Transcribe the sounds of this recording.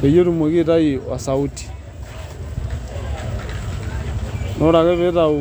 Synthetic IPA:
e˨jo˦ɾu˦mo˨ɣi˦ɾa˦i˨wa̰˨sa˨u˦ti̥˨ | nʔɔ˦ɾa˨ɣɛ˦βɛ˦ɾa˨u˨

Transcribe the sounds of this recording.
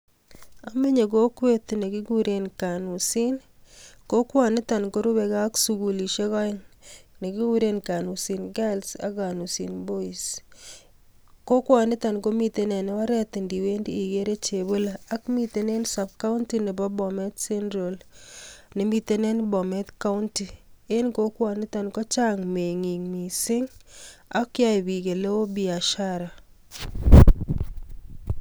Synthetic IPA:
a˨me˦ɲe˨ko˦kwe˦t̪ne˨ɡi˦ɡu˦ɾe˨nka˨nu˨si˦nko˦kwa˨nɪ˦ta˨nko˦ɾu˦be˨ɡa˦ksuɡu˨li˨ʃe˦ɣɔ˦ɪŋne˨ɡi˦ɡu˦ɾe˦nka˨nu˨si˨nɡa˦lsa̰˨ɡa˨nu˨si˨nbo˦i˨s | ko˦kwa˨nɪ˦ta˨nko˦mi˨tenɛ˨n˦wa˦ɾɛt̪ɪndi˨we˦ndiː˨ɡeɾe˦t͡ʃe˨bo˦laː˦kmi˦t̪e˦ne˦nsa˨b̚ka˦ʊ˦nti˦nɛ˨bɔ˦bɔ˨mɛ˦t̪sɛ˦ndɾo˨l | nɛ˨mi˦t̪e˦nɛ˦nbɔ˨mɛ˦t̪ka˦ʊ˦nti˨e˦nko˦kwa˨nɪ˦t̪a˨nkɔ˦t͡ʃa˦ŋme˨ŋi˨ŋmi˨sɪ˦ŋa˦kja˦˨bi˨ɡe˨lo˦o˦bi˨a˨ʃa˦ɾa˨

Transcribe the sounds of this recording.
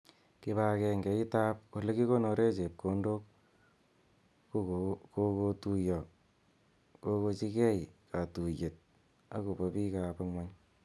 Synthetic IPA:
ki˦βa˦kɛ˧ŋɡɛ˨˦i˦ta˦p̚ko˨le˦ki˦ko˦no˧ɾe˦t͡ʃe˨p̚kʰo˨˦ndo˦k | ko˦ko˧tu˧jɔ˨ | ko˦ko˧t͡ʃi˦kɛ˦ika˨tu˨je˨t̚ | a̰˦ku˨pɔ˦pi˦ka˨pa˧ŋwa˦ɲ

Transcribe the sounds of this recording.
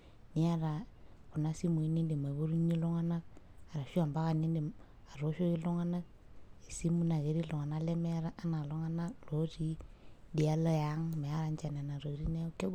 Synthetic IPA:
ni˦a˦ɾa˨ku˨na˦si˦mu˨i˦ni˦ndi˨ma˨βu˦ɾu˦ɲi˦lo˦ŋa˦na˦ka˨ɾa˨ʃu˦a˨mba˦ka˨ni˦ndi˨ | a˨ɾo˦ʃo˦ki˦lo˦ŋa˦na˦k | e˨si˦mu˦na˨ke˨ɾi˦lo˨ŋa˨na˦le˦me˦ɾa˦ʔːna˨lo˦ŋa˦na˦lo˨˦ti˦di˨a˦lɔ˦ja˦ŋme˨a˦ɾa˨˦nt͡ʃa˨na˨na˨ɾo˨i˨˦ɾi˦ne˦ke˦

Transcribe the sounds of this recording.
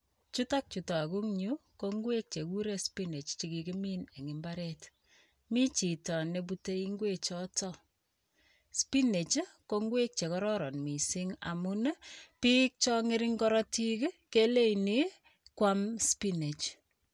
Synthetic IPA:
t͡ʃu˦ta˦k̚t͡ʃu˨ta˨a˨ku˦ŋɲu˦koŋɡwe˦k̚t͡ʃe˨ku˦ɾe˦spi˦ne˨t͡ʃt͡ʃi˨ki˨ki˦mine˨ŋɪ˨mbaɾɛt | mi˦t͡ʃi˨tɔ˨ne˨p̬u˦te˦i˦ŋɡwe˦t͡ʃɔtɔ˦ | spi˦ne˨t͡ʃko˦ŋɡwe˦k̚t͡ʃe˨kɔ˦ɾɔ˦ɾɔ˨nmi˨si˦ŋa̰˨mu˦n˦pi˦k̚t͡ʃɔ˦ŋe˦ɾɪŋkɔɾɔ˦ti˦kkele˦ini˦ | kwa˦mspi˦ne˨t͡ʃ

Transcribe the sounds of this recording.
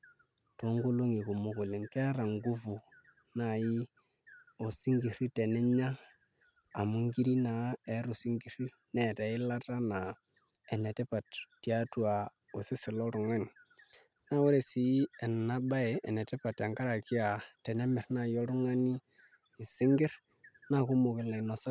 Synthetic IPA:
to˨˦ŋɡu˦lo˦ŋi˨ku˨mo˦kʊ˨lɪ˨ŋke˦a˦ɾa˨ŋɡu˦vu˨ | na˨ji˦ | o˨si˦ŋɡi˨ɾi˦tɛ˨nɛ˦ɲa˦ | a˨mu˦ŋɡi˦ɾi˦na˨ɛ˨˦ɾu˨si˦ŋɡi˨˦ɾi˦ | nɛ˨tɛ˨˦ɪ˦la˦ta˦na˨ | ɛ˨nɛ˨tɛ˦pa˨ttːi˨a˦tu˦a˨ | o˨sɪ˦sɪ˨lɔ˦ɾʊ˨ŋɛ˦n | na˦wɔ˦ɾɛ˨si˨˦ɛ˨nna˦ba˦ɛ˨ɛ˨nɛ˨tɛ˦pa˨ta˨ŋɡa˦ɾa˨kɪ˦a˨tɛ˨nɛ˦mɪ˨ɾna˨jɔ˦ɾʊ˦ŋa˦ni˦ | ɪ˨sɪ˦ŋɡɪ˦ɾ | na˦˨kʊ˦mʊ˨kɪ˨la˨i˨nɔ˨sa˦

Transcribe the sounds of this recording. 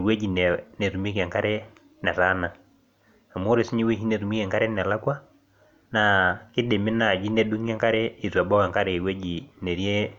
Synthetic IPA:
we˦d͡ʒi˨n˨nɛ˨ɾu˨mi˦kɛ˨ŋka˦ɾɛ˦ | na˨ɾa˦na˨ | a˨mo˦ɾe˨si˦ɲi˦we˦ɦi˦ne˨ɾu˨mi˦kɛ˨ŋka˦ɾɛ˦n˨a˨la˦kwa˦ | na˨ki˦de˨mi˦na˨d͡ʒi˦nɛ˦du˦ŋ˦ɛ˦ŋka˦ɾɛ˦i˨ɾu˨a˨bɔ˦ka˨ŋka˦ɾɛ˨we˦d͡ʒi˨ne˨ɾje˦

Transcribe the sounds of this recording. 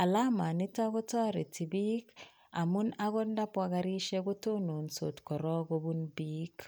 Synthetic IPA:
a˨la˦ma˨ni˦ta˦kɔ˦ta˦ɾe˨ti˨bi˦k | a˨mu˦na˦kɔ˦nda˦pwa˦ka˦ɾi˦ʃɛ˦ko˦to˦no˨nso˨tkɔ˨ɾɔ˦ko˦bu˦nbi˦k

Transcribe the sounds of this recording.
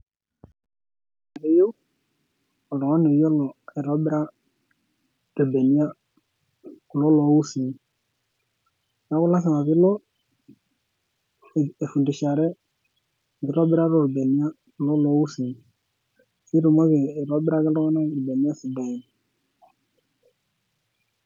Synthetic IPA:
a˨ne˨jo˦ | ɔ˨lɔ˨ŋa˦ne˨jo˦lɔ˨ɛ˨ɾɔ˨˦bɪ˦ɾa˦ | ɾe˨be˨ni˦a˦ | ku˨lɔ˦lɔ˨˦wu˦si˨n˨ | ja˦kʊ˦la˦s̬a˨ma˨βɪ˦lɔ˦˨ | e˨fu˨ndi˨ʃa˨ɾɛ˦˨ | ɡɪ˨ɾɔ˦bɪ˦ɾa˦ɾɔ˨ɾbe˨ni˦a˦ | kʊ˨lɔ˦lɔ˦wu˦si˨ | si˦ɾo˨mɔ˦ɣe˨ɾɔ˨˦bɪ˦ɾa˦ɡɪ˦lɔ˦ŋa˦na˦˨ɾi˨be˨ni˦a˦si˨ba˨i˨n˨

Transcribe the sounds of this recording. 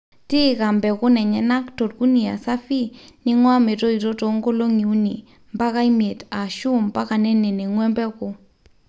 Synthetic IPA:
tɪ˦ka˨mbɛ˨kʊ˦nɛ˨ɲɛ˨na˦kto˨tku˦ni˨a˨sa˦fi˦nɪ˦ŋwa˦me˨to˦i˨tɔ˦tɔ˨ŋɡo˦lo˦ŋi˨u˦ni˨ | mba˦ka˦i˦mje˨ta˨ʃu˦mba˦ka˨nɛ˦nɛ˨nɛ˨ŋwɛ˦mbɛ˦kʊ˨

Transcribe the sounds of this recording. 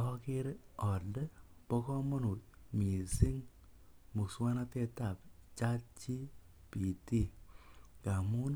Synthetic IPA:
ɔ˦kɪ˦ɾɔ˨dɛ˦pɔ˦kɔ˦mɔ˦nu˨t̚mi˨si˦ŋ | mu˨kswa˦na˦tɛ˧ta˨p̚t͡ʃa˦t͡ʃi˦ | pi˨ti˦ | ka˨mu˦n

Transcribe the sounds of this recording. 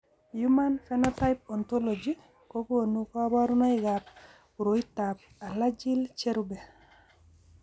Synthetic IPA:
juma˦nfɛnɔta˦jp̚ɔ˨nt̪ɔ˦lɔd͡ʒi˦ | ko˦ko˨nu˦kɔ˦ba˦ɾuna˦ɪɡa˨p̚ | uɾo˨it̪a˨p̚ | a˨la˦d͡ʒi˦lt͡ʃe˦ɾubɛ˨

